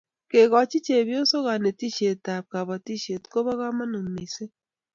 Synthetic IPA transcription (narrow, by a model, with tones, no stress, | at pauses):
ke˨ɣɔ˨t͡ʃi˦t͡ʃe˨bjo˦so˦ɣa˨ne˨ti˦ʃe˨ta˨p̚ka˨βa˨ti˦ʃe˨tko˦βɔ˦ɣa˦ma˦no˨mi˨se˦